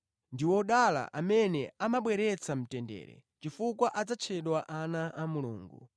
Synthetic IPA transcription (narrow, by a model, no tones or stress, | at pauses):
ndiwɔɗala̰ʔamɛnɛamaɓwɛɾɛt͡sʰam̩tɛndɛ̰ːɾɛ̰ | t͡ʃifukwaʔad͡zat͡ʃʰɛɗwaʔanaʔamuluːŋɡu